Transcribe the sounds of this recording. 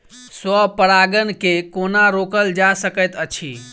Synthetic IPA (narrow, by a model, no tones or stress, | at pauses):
swəpəɽaɡənkekonaɾokəld͡ʒasəkəjt̪ət͡ʃʰi